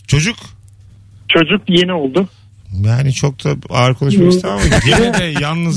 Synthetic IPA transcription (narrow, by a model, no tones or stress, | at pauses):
t͡ʃʰo̞d͡ʒuk | t͡ʃʰo̞d͡ʒuk̚jeniolˠd̪ʊ | jaːnit͡ʃʰok̚t̪ʰaa̰ːɾkʰolˠaʃmakst̪aamaɟenɛd̪ɛjanˠnɯz